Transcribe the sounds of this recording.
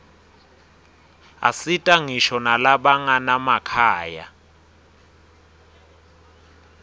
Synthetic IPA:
a̰sitʼaŋiʃɔnalaɓaŋanamakʰaːja̰

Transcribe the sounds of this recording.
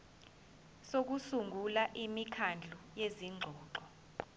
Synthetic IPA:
sok̬usuŋɡʱulaʔimikʰand͡ɮʱujeziŋ͡ǃʱɔːǃɔ

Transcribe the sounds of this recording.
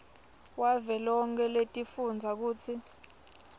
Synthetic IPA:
wavɛlɔŋkʰɛletʼifund͡zʱak̬uːt͡sʰi

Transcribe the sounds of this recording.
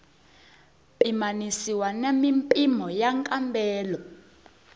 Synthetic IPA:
pʼimanisiwanemimpʼimɔjaŋkʼambʱɛːlɔ

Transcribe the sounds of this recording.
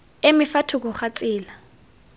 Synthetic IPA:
emɪfatʰuk̬ɔχat͡sʼiːla

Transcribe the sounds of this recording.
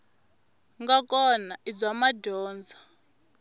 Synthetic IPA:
ŋɡakʼɔnaʔid͡zamadʱɔːnd͡zʱa

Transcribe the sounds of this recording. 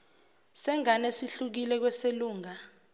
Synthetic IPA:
sɛŋanesiɬuk̬ilɛk̬wɛseluːŋa

